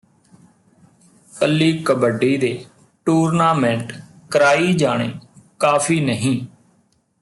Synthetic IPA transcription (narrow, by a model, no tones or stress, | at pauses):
kəlːiːkəbəɖiːd̪eː | ʈuːɾnaːmɛ̃ːɳʈ | kəɾaːiːd͡ʒaːɽ̃ḛːkaːpʰiːnəɦĩː